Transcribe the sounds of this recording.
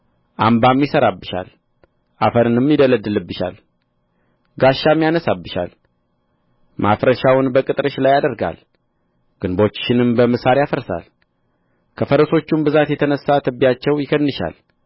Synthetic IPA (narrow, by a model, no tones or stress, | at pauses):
ʔambamːjɪsəɾabːɨʃa̰l | ʔafəɾɨnɨmjɪd̪ələd̪ɨlɨbːɨʃa̰l | ɡaʃːamːjanəsabːɨʃa̰l | mafɾəʃawʊnbəkʼɨt̪ʼɾɨʃlajad̪əɾɡa̰l | ɡ̥ɨnbo̞t͡ʃːʃɪnɨmbəməsaɾijafəɾsa̰l | kʰəfəɾəso̞t͡ʃːumbɨzat̪jɛt̪ʰənəsːat̪ʰɨbːjat͡ʃːɛwjɪkənːɨʃa̰l